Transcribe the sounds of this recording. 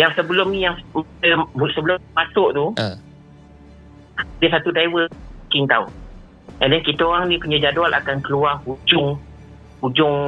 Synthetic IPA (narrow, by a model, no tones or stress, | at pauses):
jaŋsəbəlʊmnijaŋməbusəbəlʊmmasʊʔt̪u | adəsat̪udaiwəkɪnt̪au | ʔɛ̰ndɛnkit̪əoɣaŋnĩkəɲəd͡ʒadualʔa̰kankəluahhud͡ʒʊŋ | hud͡ʒʊŋ